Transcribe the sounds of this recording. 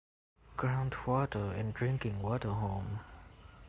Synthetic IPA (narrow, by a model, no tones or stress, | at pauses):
ɡ̥ɹãʊ̃ntʰwɔtəɛ̃ndɹɪ̃ŋkɪ̃ŋwɔtəɦõm